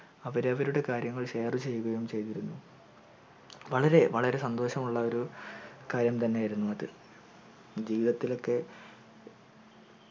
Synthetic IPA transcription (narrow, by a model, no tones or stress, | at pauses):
ɐʋɐɾeɐʋɐɾuɽe̞kaːɾjɐŋːɐɭɕe̞ːrut͡ɕe̞jːuɣɐjumt͡ɕe̞jt̪iɾunːu | ʋɐɭɐɾe̞ʋɐɭɐɾe̞sɐnd̪o̞ːɕɐmuɭːɐo̞ɾukaːɾjɐmt̪ɐnːeajiɾunːuɐðɨ | d͡ʑiːʋiðɐt̪ːilo̞kːe̞